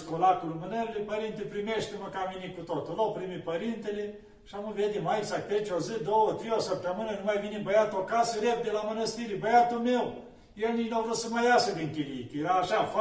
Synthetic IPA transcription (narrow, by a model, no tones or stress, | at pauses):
skolakulumɨnəɾilepəɾint̪epɾimeʃt̪eməkavinekut̪ot̪ulawpɾimipəɾint̪ele | ʃamɨved̪emaiɡsak̚t̪et͡ʃʲozɨd̪owət̪ɾeosəp̚t̪əmɨnənumajvinebəjat̪okasəɾep̚d̪elamənəst̪iɾibəjat̪ulmew | jelnit͡ʃnavɾut̪səməjasəd̪iŋkʲiliit̪jeɾaːʃaf